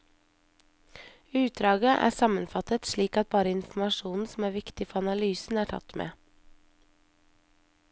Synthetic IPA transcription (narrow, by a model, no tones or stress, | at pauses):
ʉːt̪̚d̪ɾɑːɡəʔæ̰ːsɑmənfɑt̪ət̪ʃliːkɑt̪̚bɑːɾəɪnfm̩ɑʃuːnn̩sm̩æːɾʋɪkt̪ɪfɔɾɑnɑlyːsn̩æːʈʰɑ̰t̪mʔḛː